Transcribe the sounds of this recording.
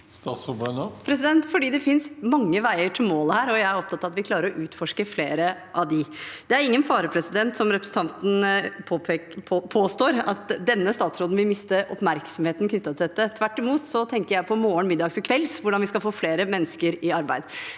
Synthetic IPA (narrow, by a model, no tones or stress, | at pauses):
st̪ɑːt̪sɔbønpʰɾɛsɪd̪ɛnt̪fɔɖiːd̪ɛfɪnsmɑŋːəʋæɪəʈʰɪlmoːləhæːɾɔjæɪæɾɔp̚t̪ɑt̪ːɑʋɑt̪ʋɪkʰlɑːɾəɾɔʔʉːt̪fɔʂkəfleːɾə | ʔɑʋd̪ɪd̪ɛæɾɪŋːənfɑːɾəpʰɾɛsɪd̪ɛnt̪sɔmɾɛpɾəsn̩t̪ɑnt̪n̩pʰː | pʰoːst̪oːɾɑt̪d̪ɛnːəst̪ɑːt̪sɾoːd̪n̩ʋɪmɪst̪əɔpmæɾksɔmheːt̪nkʰnʏt̪ːɑt̪ʰɪlɛt̪ːət̪ʰʋæʈːɪmuːt̪sɔt̪ʰɛŋkəɾjæɪpʰɔmoːəɳmɪd̪ːɑːɡsɔkʰʋɛlsʋʊɖɑnʋɪskɑlfoːfleːɾəmɛnːəskəɾɪɑɾbæɪd̪